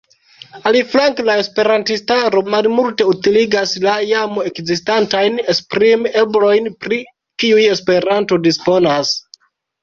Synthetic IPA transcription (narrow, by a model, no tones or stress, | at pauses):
aliflaŋklae̞spe̞ɾantistaɾo̞malmulte̞utiliɡaslajamo̞e̞kzistantajnespɾime̞blo̞jnpɾi | kiuje̞spe̞ɾanto̞dispo̞nas